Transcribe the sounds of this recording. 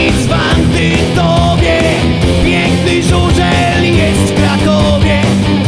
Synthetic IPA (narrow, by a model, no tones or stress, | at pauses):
zvant̪ɪ | t̪ɔvʲjɛ | pjɛŋknɪʐuʐɛ | lʲijɛst̪fkɾakɔ | vʲjɛ